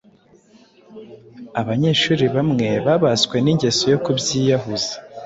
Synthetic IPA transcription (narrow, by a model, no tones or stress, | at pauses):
aβaɲe̞ʃuːɾiβamŋe̞βaβaskwe̞niɲɟe̞so̞jo̞kubjiːjaɦuzḁ